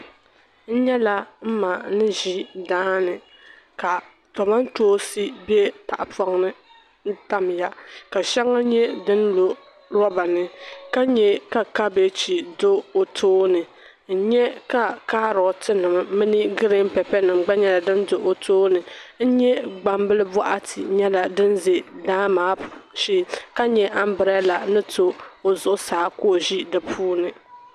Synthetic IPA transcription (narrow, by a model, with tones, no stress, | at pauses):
n̩˦ɲɛ˦la˦m̩˦ma˨nɨ˦ʒi˦daː˦nɨ˨ | ka˨ | tɔ˨ma˦n˦toː˦si˦bi˦ɛ˦ta̰˨ʔa˨pɔ˦ŋnɨ˦ | n̩˦ta˦m˨ja˦ka˨ʃɛ˦ŋa˦ɲɛ˦dɨ˦n˦lo˨ | ɾɔ˦ba˨nɨ˨ka˦ɲɛ˦ka˨ka˦be˦t͡ʃi˨do˦o˨tʰoː˦nɨ˨ | n̩˦ɲɛ˦ka˦kaː˦ɾɔ˨tʰɨ˦nɨ˨mː˨ɨ˦nɨ˦ɡɨ˦ɾɨ˦m̩˦pɛ˨pɛ˦nɨ˨mɡ͡ba˦ɲɛ˦˨la˨dɨ˦ndo˨ʔo˨tʰoː˦nɨ˨n̩˦ɲɛ˦ɡ͡ba˨m˦bɨ˦lɨ˦bɔ˦ʔa˦tʰḭ˨ɲɛ˦la˨dɨ˦nze˨daː˦maː˨˦ʃi˦ka˦ɲɛ˨ʔa˦m˦bɨ˨ɾɛ˦la˨nɨ˦tʰo˦o˨zʊ˨ʔʊ˦saː˨˦ko˦˨ʒi˦dɨ˨pʰuː˦nɨ˨